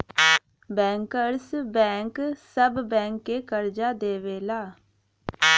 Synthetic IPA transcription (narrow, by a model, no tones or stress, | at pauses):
bɛ̃ːŋkəɾsbɛ̃ːŋksəbːɛ̃ːŋkːeːkəɾd͡ʒaːd̪eːʋeːlaː